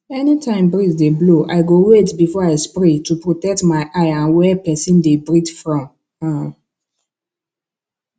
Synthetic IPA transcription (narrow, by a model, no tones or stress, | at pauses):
ɛnitʰãɪ̃mbɹitdebloʔa̰ɪɡowetbifɔaɪspɹetupɹotɛk̚tmaɪʔaɪãnwɛpɛsĩndebɹitfɹɔ̃m | ã